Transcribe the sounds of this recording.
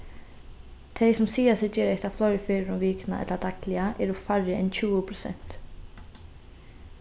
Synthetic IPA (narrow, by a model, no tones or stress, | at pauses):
t̪ʰejsɔmsiːasɛcɛːɾejht̪aflɔɥɾɪfɪːɾɪɾɔmviːkna̰ʔɛ̰t̪lad̪aklɪaʔɛɾufarːɪɛnt͡ɕʰuːʊpʰɾɔsɛ̰n̥t̪